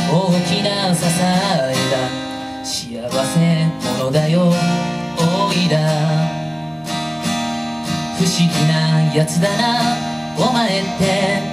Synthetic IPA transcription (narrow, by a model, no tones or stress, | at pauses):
oːkʲinasasaed̪a | ɕiaβase̞t̪anod̪ajo | oid̪a | ɸɯ̟ɕiɡʲinajat͡sɨd̪ana | omaet̪ːe̞